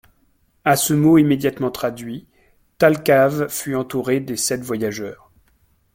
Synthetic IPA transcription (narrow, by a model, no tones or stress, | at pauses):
asəmoimed̪jat̪mɑ̃t̪χad̪ɥi | t̪alkavfyɑ̃t̪uʁed̪esɛt̪vwajaʒœːʁ